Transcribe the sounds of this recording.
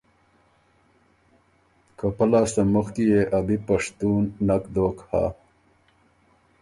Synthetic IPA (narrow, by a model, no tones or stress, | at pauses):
kəpɐlaːst̪amuxk̪ijeʔɐbipɐʂt̪uːnːɐkd̪oːkha̰